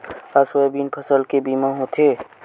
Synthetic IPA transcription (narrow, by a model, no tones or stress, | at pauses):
aswəbiːnpʰəsəlkebiːmãɦot̪ʰeː